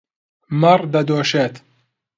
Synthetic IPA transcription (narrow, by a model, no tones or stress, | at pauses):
mɐrd̪ɐd̪oːʃet̪